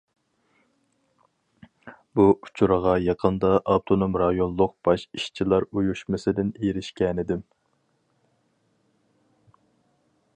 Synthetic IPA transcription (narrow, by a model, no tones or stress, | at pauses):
buʔu̥t͡ʃʰuɾəʁɑjɑqʰənd̪ɑʔɑpt̪ʰonomɾɑjonlˠːʊq̚b̥ɑʃiʃt͡ʃʰilˠɑɾujuʃmɪsɪd̪ɪnejɾɪʃkʲɛnɪd̪ɪm